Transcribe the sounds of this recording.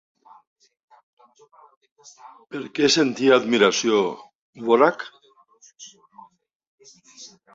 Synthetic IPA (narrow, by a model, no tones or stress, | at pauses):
eɾkesent̪ieaðmiɾasio | βoɾak